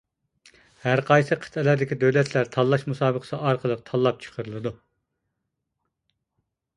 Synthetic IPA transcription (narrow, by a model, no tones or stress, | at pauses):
hæɾqʰɑjsɨqʰə̥t̪ʰɛlæɾd̪ɪkʲid̪øwlɛt̪ʰlæɾt̪ʰɑlˠːɑʃmusɑːbəqʰə̥sɨʔɑɾqʰəlˠəq̚t̪ʰɑlˠːɑp̚t͡ʃʰə̥qʰəɾɨlˠɨd̪u